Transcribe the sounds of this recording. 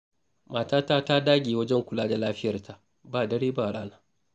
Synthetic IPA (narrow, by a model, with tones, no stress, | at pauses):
maː˨taː˦taː˦ta˦daː˦ɡʲeː˨wɐ˦d͡ʒɛ˦ŋkʷʊ˨laː˦da˨laː˦ɸɪ˦jɐ˨rtʰa˨ʔ | baː˦˨dɐ˦ɽeː˦baː˦˨ɽaː˦naː˦